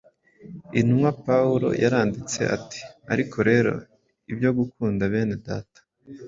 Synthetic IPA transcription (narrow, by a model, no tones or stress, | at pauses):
inumŋwapauɾo̞̰jʔaɾaːndit͡se̞̰ʔa̰ti̥a̰ɾikʰo̞ɾe̞ːɾo̞̰ | ibjo̞ɡukuːndaβe̞ːne̞da̰ːtḁ